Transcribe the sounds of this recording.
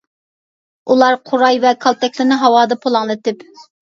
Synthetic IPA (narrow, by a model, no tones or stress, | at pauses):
ulˠɑɾqʰʊɾɑjvɛkʰɑlˠt̪ɛkʲlɪnɪɦɑwɑːd̪ɑpʰolˠɑŋlˠɨt̪ɪp